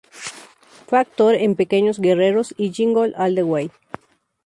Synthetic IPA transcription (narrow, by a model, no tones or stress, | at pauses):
fweak̚t̪oɾempekeɲozɡereɾosid͡ʒiŋɡolald̪ewej